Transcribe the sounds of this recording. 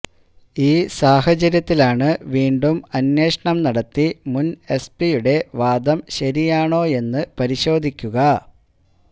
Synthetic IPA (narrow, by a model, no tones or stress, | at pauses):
iːsaːhɐt͡ɕɐɾjɐt̪ːilaːɳɨʋiːɳɖumɐnje̞ːʂɐɳɐmnɐɽɐt̪ːimune̞spijuɽe̞ʋaːd̪ɐmɕɐɾijaːɳo̞ːe̞nːɨpɐɾiɕo̞ːd̪ʱikʲːuɣɐ